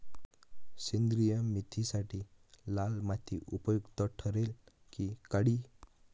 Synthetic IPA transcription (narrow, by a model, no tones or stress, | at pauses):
sind̪ɾijəmit̪ʰisaʈʰilalmat̪ʰːiʔupəjuɡt̪əʈʰəɾel | kikaɽiː